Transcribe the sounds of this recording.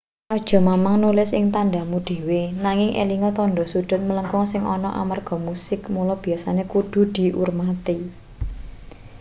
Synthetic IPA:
ʔɔd̥ʒ̥ɔ̤mamaŋnulɪsɪ̰ŋt̪andamuɖ̪̥e̤wenaŋɪŋʔḛliŋɔt̪ɔnɖɔ̤sud̪̥ʊ̤t̪̚mələŋkɔŋsɪŋʔɔnɔʔa̰marɡ̥ɔ̤musɪkmulɔb̥i̤jasanekuɖ̪̥ṳd̪̥i̤ʔurmat̪i

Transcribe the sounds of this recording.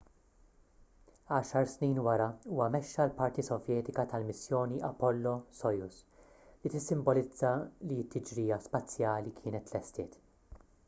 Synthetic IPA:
ɐːʃɐɾsniːnwɐɾɐuːwɐmɛʃːɐlpɐɾt̪isɔvjɛːt̪ɪkɐt̪ɐlmɪsjɔːniʔɐpɔlːɔsɔjʊs | lit̪ɪsːɪmbɔlɪd͡zːɐliɪt̪ʰːɪd͡ʒɾiːɐspɐt͡sːjɐːlikʰɪːnɛt̪lɛst̪ɪːt̪

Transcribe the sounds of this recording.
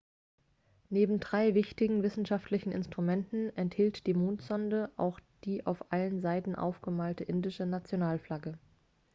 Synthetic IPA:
neːbm̩dʁaɪvɪçtɪɡŋ̩vɪsn̩ʃaftʰlɪçn̩ʔɪ̰nstʁ̥umɛntn̩ʔɛnthiːltd̥iːmoːntz̥ɔndəʔa̰ʊxd̥iːʔaʊfʔalənzaɪtn̩ʔa̰ʊfɡ̥əmaːltəʔɪndɪʃənat͡sjonaːlflaɡə

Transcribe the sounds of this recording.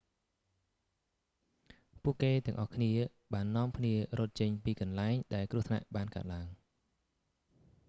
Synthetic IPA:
puəʔkeːt̪ɛ̆əŋʔɑhkʰniə | ɓaːnːŏəmkʰniəɾroːt̪̚t͡ɕəɲpiːkɑnlaɛŋɗaɛlkrŭəhsʰna̰ʔɓaːnkaət̪̚laəŋ

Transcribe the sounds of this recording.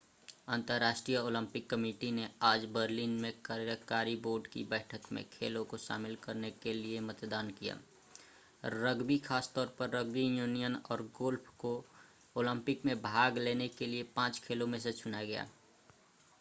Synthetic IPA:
ənt̪əɾːaːʃʈɾijəoːlə̃mpɪkːəmiːʈineaːd͡ʒbəɾlinmẽkaɾjəkaːɾiboːɾɖkḭbəɪʈʰəkmḛ̃kʰḛːlõkoʃa̰ːmɪlkəɾnekeliemət̪d̪aːnkija̰ː | ɾəɡbikʰaːst̪ɔːɾpəɾːəɡbijuːnijənɔːɾɡoːlpʰko | oːlə̃mpɪkmẽbʱaːɡleːnekeliepãːt͡ʃkʰeːlõmẽs̬et͡ʃʰʊnaɡɐja̰ː

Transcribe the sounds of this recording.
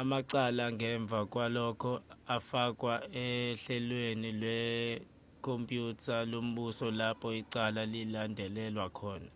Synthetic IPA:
amaǀalaŋʱɛɱb̪vʱak̬ʼwalɔkʰɔafak̬ʼwaɛɬɛlwenilwɛ | kʰompʼjutʰalom̩ɓusɔlapʰɔiǀalalilandʱɛlɛlwakʰɔːna

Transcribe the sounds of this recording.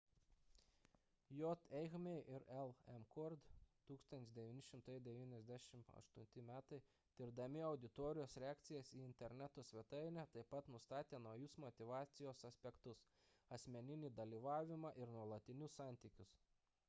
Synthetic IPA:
joːt̪ɛɪxmʲɛɪʔɪɾɛlˠɛmkɔɾd̪t̪uːkst̪ont̪ʲɪsd̪ʲɛʋʲinʲɪʃʲɪmt̪ɐɪd̪ʲɛʋʲiːnʲɛzʲd̪ʲæʃʲɪmɐ̰ʃt̪ʊnʲt̪ʲɪmʲæːt̪ɐɪ | d̪̥ʲɪɾd̪ɐmʲɪɐʊd̪ʲɪt̪ɔːɾʲɪjoːsɾʲɛɑːk̚t̪sʲɪjɛsiːɪnʲt̪ʲɛɾʲnʲæt̪oːsʲʋʲɛt̪ɐɪnʲɛt̪ɐɪpɐt̪nʊst̪ɑːt̪ʲeːnɐʊjʊsmɔt̪ʲɪʋɑːt̪sʲɪjoːsɐsʲpʲɛkt̪ʊs | ɐsʲmʲɛnʲɪnʲiːd̪ɐlʲiːʋɑːʋʲɪmɑʔɪɾnuɔlˠɐt̪ʲɪnʲʊssɑˑnʲt̪ʲiːkʲʊs

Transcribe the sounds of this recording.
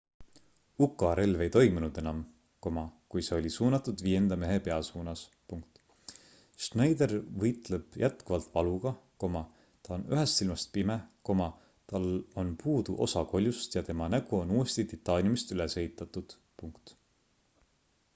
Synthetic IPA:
ukːˑɑɾe̞lve̞jt̪o̞jmunud̪̥e̞nɑm | ko̞mɑkujse̞o̞lʲisuːnɑt̪ːud̪̥viːe̞nd̪̥ɑme̞ɦepe̞ɑsuːnɑs | puŋkt̪ | ʃnɑjd̪e̞ɾvɤjt̪leb̥jʔæt̪kuvɑlt̪ˑvɑluɡ̥ɑko̞mɑ | t̪ɑonyɦest̪silmɑst̪̚pimeko̞mɑ | t̪ɑlo̞npuːd̪̥uʔo̞̰sɑko̞lʲjust̪jɑt̪e̞mɑnæɡ̥uo̞nuːest̪it̪it̪ˑːɑːnʲjumist̪ylese̞ɦit̪ːˑɑt̪ːˑud̪̥ | puŋkt̪

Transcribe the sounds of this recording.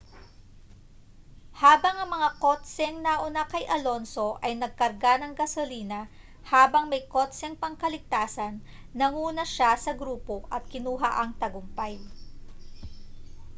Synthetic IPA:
haːbɐŋɐŋmɐŋakot̪sɛŋnaʔʊnakɐjʔɐlo̞nso̞ʔɐjnɐɡ̚kɐɾɡanɐŋɡɐsoliːnɐ | haːbɐŋmɐjkot̪sɛŋpɐŋkɐlɪɡ̚t̪aːsɐnː | ɐŋuːnɐʃasɐɡɾuːpo̞ʔɐt̪̚kɪnuːɦaʔɐŋt̪ɐɡʊmpaj

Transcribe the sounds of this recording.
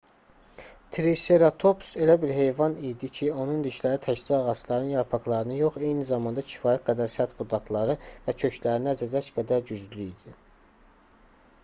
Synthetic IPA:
t̪ʰɾeseɾat̪ʰo̞pse̞læbiɾɦe̞jvɑnijd̪icʰio̞nund̪iʃlæɾit̪ʰæçziɑɣɑslˠɑɾɯnjɑɾpʰɑklˠɑɾɯnɯjo̞χe̞jnizɑmɑnd̪ɑcʰi̥fɑːjæt̪̚ɡæd̪æɾsæt̪bud̪ɑklˠɑɾɯvæcʰø̞cʰlæɾiniæzæd̪æt͡ʃɡæd̪æɾɟyzlyid̪̥i

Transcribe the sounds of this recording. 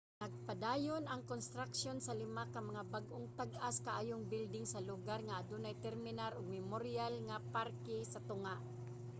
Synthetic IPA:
nɐɡ̚pad̪aːjonɐŋkonst̪ɾakʃonsɐlɪmakɐmɐŋabaɡʔoŋt̪aɡaskaʔaːjoŋbɪld̪ɪŋsɐlʊɡaɾŋaːd̪ʊnajt̪ɛɾmɪnaɾʊɡ̚mɪmoɾɪalŋapaɾkɛsɐt̪ʊŋaʔ

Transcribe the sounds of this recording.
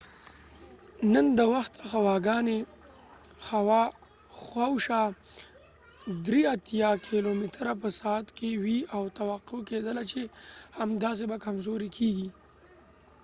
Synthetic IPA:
nənd̪əwaxt̪əxawɑɡɑne | xawɑ | xwawʃa | d̪ɾiat̪jɑkʰilomit̪ɾap̬əsɑat̪kewiawt̪awaqːoked̪əlat͡ʃehamd̪ɑs̬ebakamzoɾekʰeɡi

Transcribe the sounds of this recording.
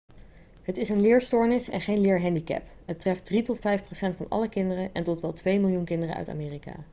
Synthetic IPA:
ɦətɪsənlɪːɹstʊːɹnɪsɛ̰nχejnlɪːɹɦɛndikɛ̰pɦətrɛft̚dritɔtfɛjfprowsɛntfɑnɑ̰ləkɪndərəʔɛntɔtʋɛlˠtʋejmɪlˠjunkɪndərə̰œ̰ɥta̰ːmɪːrika̰ː

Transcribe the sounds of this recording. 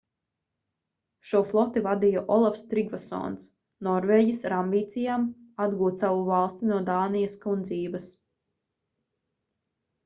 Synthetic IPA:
ʃuɔflˠɔt̪ivad̪ijaʔɔlˠafst̪ɾiɡvasɔ̰ːns | nɔɾveːɟʲisɾambiːt̪sijaːmad̪ɡuːt̪savuvalˠst̪inuɔd̪aːnijaskund̪ziːvɐs

